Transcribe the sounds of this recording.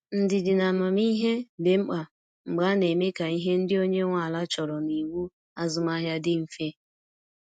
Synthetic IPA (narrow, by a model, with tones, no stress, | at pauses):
n̩˦dɪ˨dɪ˨na˨mɔ˨m˦i˦ɦe˦be˨ŋ͡m̩˦k͡pa˨ | ŋ͡m̩˨ɡ͡ba˨˦ne˨me˦ka˨i˦ɦe˦n̩˦dɪ˦o˦ɲe˦ŋʷa˨la˦t͡ʃɔ˨ɾɔ˨ni˨wu˦ | a˦zʊ˦ma˦ɦja˦dɪ˦m̩˦fe˦